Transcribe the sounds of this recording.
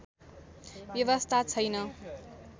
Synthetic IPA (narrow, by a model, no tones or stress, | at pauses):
bjʌβʌst̪ʰat͡sʰʌjnʌ